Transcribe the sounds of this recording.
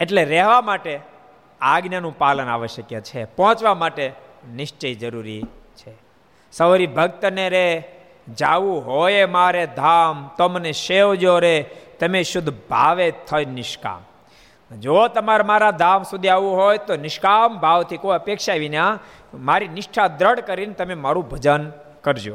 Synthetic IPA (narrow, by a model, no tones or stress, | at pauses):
eʈleɾɛɦʋamaʈe | aɡnənũpaləna̰ʋəʃjəkjat͡ʃʰepɔɦɔ̃t͡ʃʋamaʈenɪʃt͡ʃəid͡ʒəɾuɾḭ | t͡ʃʰe | səʋɾibʱəɡ̚t̪əneɾe | d͡ʒaʋũɦojemaɾed̪ʱamt̪oməneʃeʋd͡ʒoɾet̪əmeʃʊd̪ʱbʱa̰ʋet̪ʰəjnɪʃka̰m | d͡ʒot̪əmaɾmaɾad̪ʱamsud̪ʱiaʋũɦojt̪onɪʃkambʱaʋt̪ʰikoəpekʃaʋinã | maɾinɪʃʈʰad̪ɾəɽkəɾint̪əmemaɾũbʱəd͡ʒən | kəɾd͡ʒo